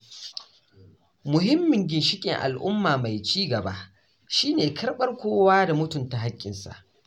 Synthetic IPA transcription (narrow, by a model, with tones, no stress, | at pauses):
mʊ˨ɦɪ˦mːɪ˨ŋɡʲɪ˨nʃɪ˦kʲʼɪ̰˨ŋʔa̰˨lʔʊ̰˦mːaː˨ma˨jt͡ʃiː˦ɡɐ˨ba˦ | ʃiː˦neː˨kʰɐ˦rɓɐ˦rkʷoː˦waː˦da˨mʊ˦tʊ˨nta˨ɦa˦kʲʼːɪ̰˨nsa̰˨ʔ